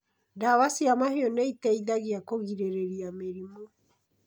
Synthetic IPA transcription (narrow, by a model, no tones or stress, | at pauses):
daβasiamaheɔneitɛiðaɣiakoɣiɾeɾeɾiameɾimɔ